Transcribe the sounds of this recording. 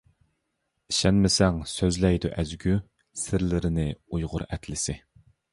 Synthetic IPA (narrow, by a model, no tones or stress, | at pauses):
iʃɛnmɪsɛŋsøzlɛjd̪uʔæzɡʲy | sɪɾlɪɾɪnɪujʁʊ̰ɾɛt̪ʰlɪsɪ